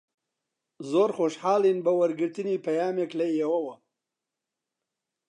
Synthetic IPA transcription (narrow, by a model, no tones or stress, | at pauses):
zoːɾxoʃhaːlinbɐwɐɾɡɨɾt̪ɨnipɐjaːmeklɐjɐwɐwɐ